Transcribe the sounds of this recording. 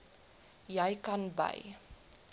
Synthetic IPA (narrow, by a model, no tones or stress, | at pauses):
jɛjkɐnbɐ̰j